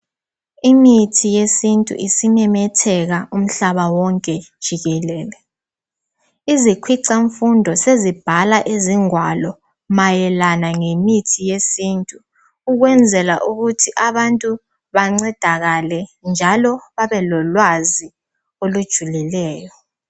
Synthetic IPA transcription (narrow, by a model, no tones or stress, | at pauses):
imitʰijesintʼṵʔisimɛmɛtʰɛɣaʔum̩ɬaβawɔŋkʼɛd̥ʒ̥ʱiɣɛlɛːlɛ | izikʰwiǀaɱfundʱɔsezib̥ʱalaʔeziŋwalɔ | majɛlanaŋemitʰijesiːntʼu | uɣwɛnd͡zʱɛlaʔuɣutʰiʔaβantʼu | βaŋ͡ǀɛd̥ʱaɣalɛnd͡ʒʱalɔβaβɛlɔlwazi | olud̥ʒ̥ʱulilɛːjɔ